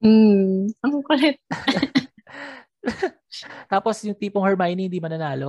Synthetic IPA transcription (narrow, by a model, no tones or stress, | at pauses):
m̩ɐŋkʊlɛt̪̚ | t̪aːposjʊŋt̪iːpoŋhɛɹmajnihɪnd̪iːmɐnɐnaːlo